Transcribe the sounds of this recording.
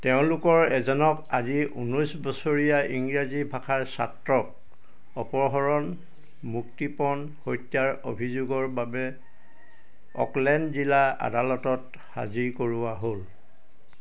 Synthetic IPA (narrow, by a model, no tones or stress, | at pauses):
tɛʊ̃lʊkɔɹɛzɔnɔkaziṵnɔjsbɔsoɹijaiŋɡɹazibʱakʰaɹsa̰tɹɔk | ɔpɔɹɦɔɹɔn | muk̚tipɔn | hojtjaɹo̰bʱizuɡɔɹbabɛ | ɔ̰klɛndzilaa̰dalɔtɔt | ha̰ziɹkoɹuaɦol